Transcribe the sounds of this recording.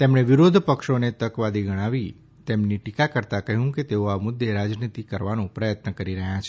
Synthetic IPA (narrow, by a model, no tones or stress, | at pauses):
t̪emɳ̃eʋɪɾod̪ʱpəkʃonet̪əkʋad̪iɡəɽ̃aʋi | t̪emniʈikakəɾt̪akəɦũket̪eoamʊd̪ʱːeɾad͡ʒnit̪ikəɾʋanũpɾəjət̪nəkəɾiɾəɦjat͡ʃʰ